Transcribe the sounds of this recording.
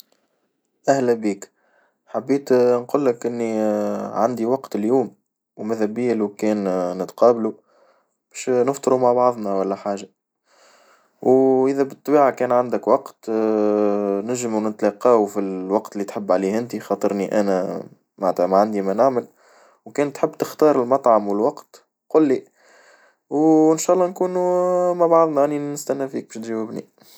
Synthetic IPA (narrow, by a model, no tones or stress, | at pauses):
ʔæhlæbiːk | ħabːiːt̪nqulːɪkʔɪnːiʕand̪iwɑqt̪ɪljuːm | wmæðæbijːælukɛːnːət̪qɑːblu | b̥ɛːʃnəft̪ˤɨɾumaʕbɑʕðˤnæwælːæħaːʒa | wʔəðæbɨt̪ˤːɑbiːʕakɛːnʕand̪əkwɑqt̪ | næʒɪmwnɪt̪lɑqɑːfilwɑqt̪ɪlːit̪ħɪbːʕaliːhɪnt̪ixɑt̪ˤɨɾniʔæ̰næ | mant̪æmaʕand̪imænaʕmɪl | wkæːnt̪ħɪbːt̪ɪxt̪ɑːɾˤɪlmɑt̪ˤʕɑmwɪlwɑqt̪ | qʊlːi | wʔɪnʃæːʔlˤːɑːnkuːnumaʕbɑʕðˤnɑʔanːinɪst̪ænːæfiːk̚bæːʃt̪ʒæwɪbnḭ